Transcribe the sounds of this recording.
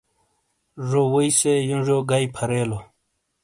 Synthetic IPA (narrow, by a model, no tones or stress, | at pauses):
ʐowoisejunʐoːɡaipʰɐɾeːlo